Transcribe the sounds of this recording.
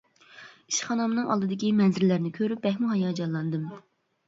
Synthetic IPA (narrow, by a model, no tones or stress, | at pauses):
i̥ʃχɑnɑmɨnɨŋɑ̰lˠd̪ɨd̪ɪkʲimɛnzɪɾlæɾnɪkʲʰøɾyp̚bɛhmuɦɑjɑːd͡ʒɑlˠːɑnd̪ɨm